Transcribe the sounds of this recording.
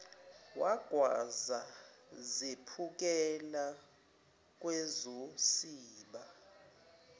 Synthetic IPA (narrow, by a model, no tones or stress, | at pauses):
waɡ̥ʱwazazepʰuk̬ʼɛla | k̬ʼwɛzosiːɓa